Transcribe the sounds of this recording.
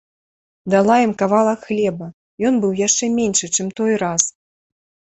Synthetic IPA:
d̪alˠajimkavalˠɐkxlʲɛbɐ | jɔnbɨwjaʂt͡ʂɛmʲenʲʂɨt͡ʂɛmt̪ɔjɾas

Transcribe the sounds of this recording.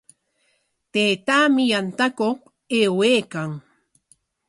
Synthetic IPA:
t̪eːt̪aːmɪjant̪akoq | eːweːkaŋ

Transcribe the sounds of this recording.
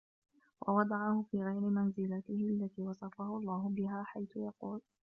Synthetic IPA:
wʔɑ̰wɑd̪ˤɑʕɑhʊfiːɣajɾɪmanzɪlat̪ɪhɪʔalːat̪iːwɑsˤɑfahʊʔɑlˤːɑːɦʊbɪɦaːħajθʊjɑquːl

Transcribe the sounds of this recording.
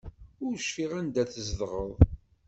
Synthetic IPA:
ʊɾʃfiʁænd̪æθəzðʁəðˤ

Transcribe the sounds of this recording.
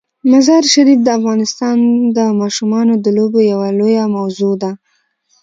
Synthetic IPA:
mazɑɾʃad̪id̪̚ːəafɣɑnɪst̪ɑnd̪əmɑʃumɑnod̪əlobojawalojamawzod̪a

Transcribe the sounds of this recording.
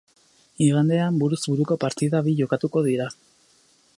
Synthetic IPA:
iɣand̪e̞ambuɾuzβuɾuko̞paɾt̪iðaβiʝo̞kat̪uko̞ðiɾa

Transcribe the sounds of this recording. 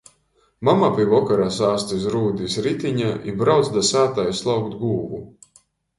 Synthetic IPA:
mamapʲivɔkaɾaːsaːst̪is̬ɾuːd̪ʲisʲɾit̪ʲiɲaʔḭbɾawt̪sd̪asaːt̪ajslˠawkt̪ɡuːɡu

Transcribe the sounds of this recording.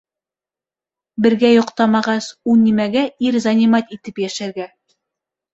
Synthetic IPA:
bɘ̆ɾɡæjŏqt̪ɑmɑʁɑsunʲimæɡæiɾzanʲimɑt̪it̪ɘpjæʃæɾɡæ

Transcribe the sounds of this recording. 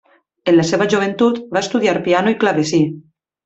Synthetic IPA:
enlaseβaʒuβ̞ent̪ut̪baest̪uðiaɾpianoiklaβesi

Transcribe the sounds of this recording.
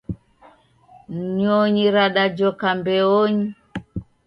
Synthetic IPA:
ɲɲɔɲiɾaɗad͡ʒɔkambɛɔɲi

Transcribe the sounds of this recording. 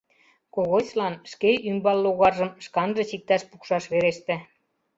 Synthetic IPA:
koɣot͡ɕlɑnʃkeymbɑlːoɣɑrʒə̆mʃkɑnʒɤ̆t͡ɕik̚t̪ɑʃpukʃɑʃβeɾeʃt̪ĕ

